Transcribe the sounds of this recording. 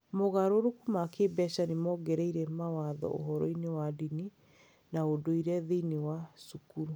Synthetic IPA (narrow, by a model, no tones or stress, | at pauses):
moɣaɾoɾukumakebɛʃanimɔɡɛɾeiɾɛmawaðɔ̰ʔo̰ɦɔɾɔ̰inewadini | naodoiɾɛðeinewasukuɾu